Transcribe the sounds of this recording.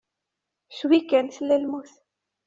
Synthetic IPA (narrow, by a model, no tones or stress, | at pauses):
swikːænθlːælmuθ